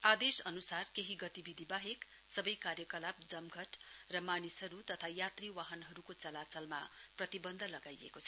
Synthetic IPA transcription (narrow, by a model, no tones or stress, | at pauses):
ad̪esʌnusarkeɦiɡʌt̪ibid̪ʱibaɦek | sʌbʌjkarjʌkʌlap̚d͡zʌmɡʱʌʈrʌmanisɦʌɾut̪ʌt̪ʰajat̪riwaɦʌnɦʌɾukot͡sʌlat͡sʌlma̰prʌt̪ibʌnd̪ʱʌlʌɡajḛkot͡sʰʌ